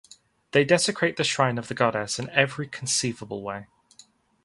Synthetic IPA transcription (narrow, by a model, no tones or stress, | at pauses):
ðeɪdɛsɪkʰɹ̥eɪʔðəʃɹãɪ̃nəvðəɡɒɾɛsɪ̃nɛvɹikʰə̃nsiːvəbəlˠweɪ